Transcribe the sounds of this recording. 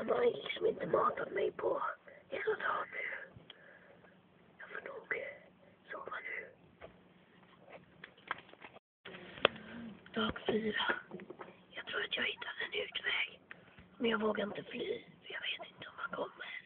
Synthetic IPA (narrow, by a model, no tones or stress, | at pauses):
ɛbɑlɪksɔmɪnt̪əmɑːt̪ad̪mɛjpʰɔheːlad̪ɑːnʉː | jɑːfonuːɡ̥ | soːmanjʉ̟ | d̪̥ɑːɡfyːɾa | jɑɡt̪ʰɾuːɾat̪jɑːɡhɪt̪ʰːad̪ɛnʉ̟ːt̪vɛːɡ̥mɛnjɑːɡvoːɡaɾɪnt̪əflyːfœjɑɡveːt̪ɪnt̪əɔmhankʰɔmːəɾ